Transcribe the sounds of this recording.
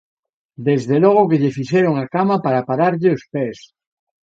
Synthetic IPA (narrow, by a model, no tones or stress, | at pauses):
d̪ezðelɔɣ̞okeʎefiʃɛɾoŋakamapaɾapaɾaɾʎeospes